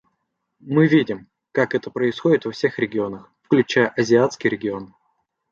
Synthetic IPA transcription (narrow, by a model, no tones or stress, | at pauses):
mɨvʲidʲɪm | kakɛt̪əpɾəɪsxo̞dʲɪt̪vɐfsʲe̞xɾʲɪɡʲɪo̞nəxfklʲʉt͡ɕæjəʔɐzʲɪat̪skʲɪjɾʲɪɡʲɪo̞n